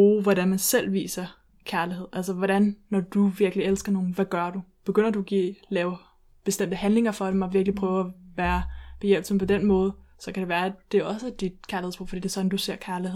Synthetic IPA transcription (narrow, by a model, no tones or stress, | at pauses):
b̥uːʋɒɾænmænsel̰ʋḭːsɐ | kʰæɐlihe̝ð̰ˠælsɐʋɒɾænːɒd̥uʋiɐɡ̥lielsɡ̥ɐno̝ːn̩ʋæɡ̥ɶɐɾ̥ub̥e̝ɡ̥øn̰ɐduæɡ̥ḭlɛːʊ | b̥e̝sd̥em̰d̥əhænle̝ŋɐfɒ̽d̥emɒʋiɐɡ̥lipʰʁœːʊæʋæːɐb̥e̝jel̰b̥səm̩pʰɒ̽d̥enmɔ̽ːð̞̩ˠsɒ̽kʰæd̥e̝ʋæːɐæd̥e̝ɒ̽səd̥id̥̚kʰæɐliheð̩̰ˠb̥oʊfd̥ḭːd̥e̝sɒ̽d̥n̩d̥use̝ɐ̰kʰæɐliheð̰ˠ